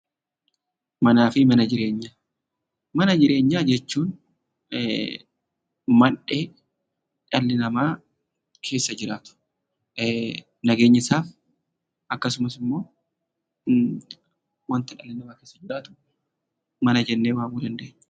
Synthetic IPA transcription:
mɐnaːfɪmɐnɐd͡ʒɪɾe̞ːɲːaː | mɐnɐd͡ʒɪɾʔe̞ːɲːaːd͡ʒɛt͡ʃːuːn | mɐnᶑe̞ː | ᶑɐlːɪnɐmaː | kʰe̞ːsːɐd͡ʒɪɾaːt̪ʊ̥ | nɐɡe̞ːɲːɪsaːf | ʔɐkːɐsʊmɐsɪmːo̞ː | wɐnt̪ɪᶑɐlːɪnɐmaːke̞ːsːɐd͡ʒɪɾaːt̪ʊ̥ | mɐnɐd͡ʒɛnːeːwaːmuːd̪ɐnd̪e̞ːɲːɛ̥

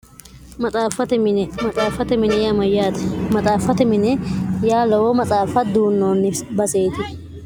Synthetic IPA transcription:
mɐt͡sʼaːfɐt̪ɛmɐt͡sʼaːfɐt̪ɛmɪnɛjaːmɐjːaːt̪ɛ̥mɐt͡sʼaːfɐt̪ɛmɪnɛjaːlɐwɔmɐt͡sʼaːfɐd̪uːnːoːnːɪbɐseːt̪ɪ

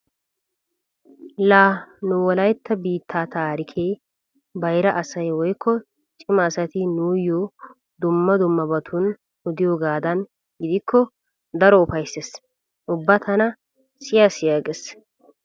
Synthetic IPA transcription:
laːnʊwɔlɐjt̪ʰːɐbiːt̪ʰːaːt̪aːɾɪkʰeː | bɐjɾɐʔɐsɐjwɔjkːɔ | t͡ʃʼɪmɐːsɐt̪ɪnuːjːo | d̪ʊmːɐd̪ʊmːɐbɐt̪ʰʊn | ʊd̪ɪjoːɡaːd̪ɐn | ɡɪd̪ɪkʰːɔ | d̪ɐɾɔʊfɐjsːes | ʔʊbːɐt̪ʰɐnɐ | sɪjasɪjaːɡes

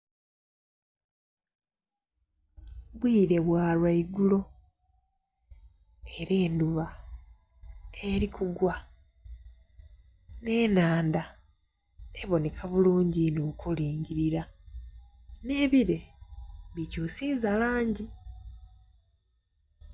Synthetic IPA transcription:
βwiːɾe̞βwaːlwaiɡulo̞ | e̞ɾe̞ːnduβa | e̞ɾikʰuɡwa | ne̞ːnaːnda | eβo̞ne̞kʰaβuluːɲɟinokuliːɲɟiɾiɾa | ne̞ːβiɾe̞ | βicoːsiːzalaːɲɟi

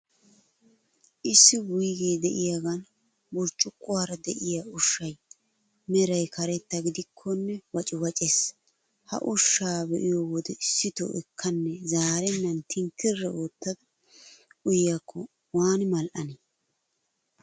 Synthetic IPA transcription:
ʔɪsːɪbʊjɡeːd̪ɛʔɪjaɡɐn | bʊɾt͡ʃʼːʊkʼːʊwaːɾɐd̪ɛʔɪjaʊʃːɐj | mɛɾɐjkʰɐɾɛt̪ːɐɡɪd̪ɪkʰːɔnːɛwɐt͡ʃʼɪwɐt͡ʃʼes | hɐ̰ʔʊʃːaːbɛʔɪjoːwɔd̪ɛɪsːɪt̪o̰ʔɛkʰːɐnːɛzaːɾɛnːɐnt̪ʰɪŋkːɪrːɛoːt̪ːɐd̪ɐ | ʊjjakːɔ | waːnmɐlʔɐne

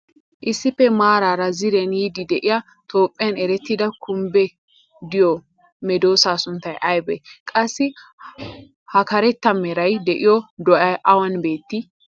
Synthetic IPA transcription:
ʔɪsːɪpːɛmaːɾaːɾɐzɪɾɛnjid̪ɪd̪ɛʔɪjɐ | t̪o̞ːpʼːɪjɐnɛɾɛt̪ːɪd̪ɐkʰʊmbɛ | d̪ɪjɔ | mɛd̪o̞ːsaːsʊnt̪ːɐjʔɐjbɛ̰kʼɐsːɪ | hɐkɐɾɛt̪ːɐmɛɾɐjd̪ɛʔɪjɔd̪ɔʔɐʔɐwɐnbe̞ːt̪ːɪ

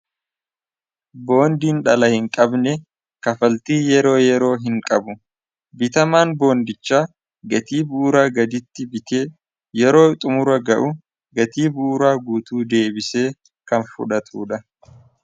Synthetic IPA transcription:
bo̞ːnd̪iːnᶑɐlɐhɪŋkʼɐbnɛ | kɐfɐlt̪iːjɛɾo̞ːjɛɾo̞ːɦɪŋkʼɐbʊ | bɪt̪ɐmaːnbo̞ːnd̪ɪt͡ʃːaː | ɡɐt̪iːbuːɾaːɡɐd̪ɪt̪ːɪbɪt̪e̞ː | jɛɾo̞ːt̪ʼʊmʊɾɐɡɐʔʊ | ɡɐt̪iːbuːɾaːɡuːt̪uːd̪e̞ːbɪse̞ː | kɐnfʊ̰ᶑɐt̪ʰuːᶑɐ

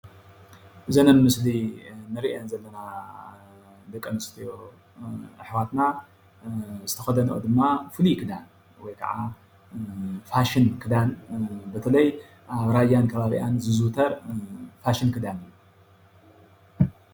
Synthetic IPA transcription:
ʔɨzɐnɐnmɨslinɨɾiʔenzɐlːɐna | d̪ɐkʼːɐnɨst̪ʰijo | ʔɨħwat̪na | zɨt̪ʰɐxɐd̪ɐnʔo̰d̪ɨmːafɨlikʰɨd̪an | wɔjkʰɐ̰ʕa | faʃinkʰɨd̪anbɨt̪ʰɐlɐj | ʔaβɾajːankʰɐβaβḭʔanzɨzut̪ʰɐɾfaʃinkʰɨd̪anɨjːu

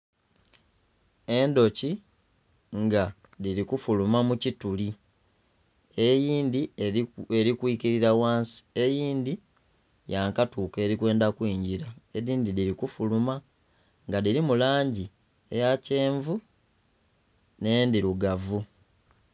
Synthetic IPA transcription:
e̞ndo̞ci | ŋɡa | ðiɾikufulumamucituli | ejiːndi | eɾikwiːciɾiɾawaːnsi̥e̞jiːnd̪i | jaŋkatuːke̞ːɾikwe̞ːndakwiːɲɟiɾaeðiːndidiɾikufuluma | ŋɡadiɾimulaːɲɟi | ḛjace̞ːɱvu | ne̞ːndiɾuɡavu

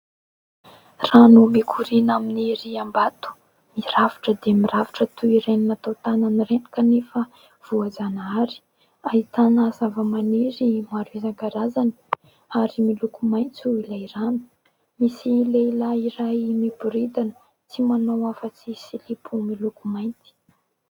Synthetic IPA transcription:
ranumekʰuɾinaminiɾiambat̪u̥ | miravi̥ʈ͡ʂəd̪emiraviʈ͡ʂət̪uiɾeninat̪awt̪ananireni̥kanefə | v̥uazanaɾi̥ | ait̪anazavəmaniɾimaɾuizaŋɡaɾazani̥ | aɾimilukumajnt͡suilaiɾanu̥ | misileilaiɾajmibuɾid̪anə | t͡simanowafət͡sisilipʰumilukumajnt̪i̥

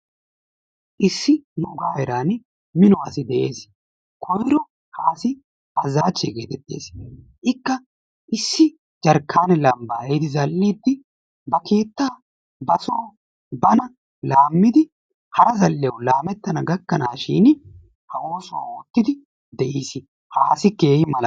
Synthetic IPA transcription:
ʔɪsːɪnʊɡaːɛɾaːn | mɪnɔwaːsɪd̪ɛʔe̞̰ːs | kʰɔjɾɔ | haːsɪ | ɐzaːt͡ʃːɛːɡeːt̪ɛt̪ːe̞̰ːs | ʔɪkːɐ | ʔɪsːɪ | d͡ʒɐɾkʰːaːnɛlɐmbaːjɪd̪ɪzɐlːiːd̪ːɪ | bɐke̞ːt̪ːaː | bɐsɔː | bɐnɐ | laːmːɪd̪ɪ | hɐɾɐzɐlːɪɐwlaːmɛt̪ːɐnɐɡɐkːɐnaːʃḭːn | hɐoːsʊwa̰ːoːt̪ːɪd̪ɪ | d̪ɛʔiːs | haːsɪkːeːhɪmɐlɐ

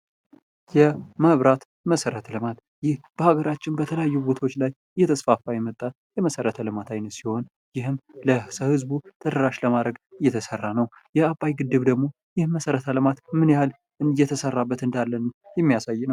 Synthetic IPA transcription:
jɛməβɾat̪ | məsəɾət̪ʰəlɨmat̪ | jɪhb̥əhaɡəɾat͡ʃːɪnbət̪ʰələjajːubot̪ʰo̞t͡ʃːlaj | jɛt̪ʰəsfafajɛmət̪ʼːa | jɛməsəɾət̪ʰəlɨmat̪ʰajnət̪siho̞n | jɪhɨmləsəhɨzbut̪ʰəd̪əɾaʃləmad̪ɾəɡɨjːɛt̪ʰəsərːanəw | jɛapʼːajɡɨd̪ːɨβd̪əɡmo̞ | jɪhməsəɾət̪ʰəlɨmat̪mɨnjhal | jːɛt̪ʰəsərːabːət̪ɨnd̪alːənjɛmːijasajːnəw

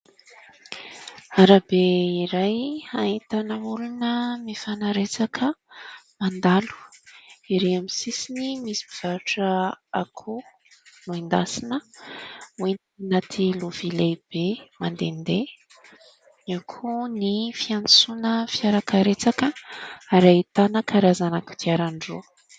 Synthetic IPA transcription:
aɾabeiɾajait̪anəulunəmifanaɾet͡sakʰəmand̪alu̥iɾeamisisinimisi̥biv̥aɾuʈ͡ʂəa̰kʰu | luind̪asinə | wen | nat̪ʰiluv̥ilejb̥emand̪end̪e | iakʰunifiant͡sunəfjaɾakəɾet͡sakəaɾait̪anəkaɾazanaku̥t̪iaɾaɳɖ͡ʐu

